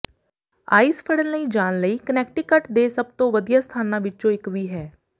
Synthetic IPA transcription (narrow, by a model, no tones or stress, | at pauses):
a̰ːispʰəɽənləiːd͡ʒaːnləiːkənɛːk̚ʈiːkəʈd̪eːsəb̚t̪õːʋəd̪ijaːst̪ʰaːnãːʋɪt͡ʃõːɪkʋiːɦɛː